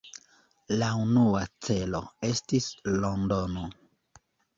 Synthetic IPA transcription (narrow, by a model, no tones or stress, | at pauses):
launuat͡se̞lo̞̰e̞stislondono